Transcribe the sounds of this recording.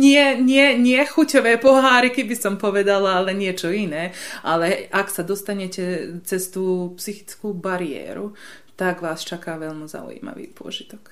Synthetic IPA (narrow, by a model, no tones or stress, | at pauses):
ɲɪɛɲɪɛɲɪɛxucɔʋɛːpɔɦaːɾikɛbisɔmpɔʋɛd̪alaalɛɲɪɛt͡ʃɔinɛːalɛʔaksad̪ɔst̪aɲɛcɛt͡sɛst̪uːpsixi̥t͡skuːbaɾiɛ̰ːɾu | t̪aɡʋaːst͡ʃakaːʋɛʎmuza̰ṵjḭma̰ʋḭːpʊɔ̰ʒit̪ɔk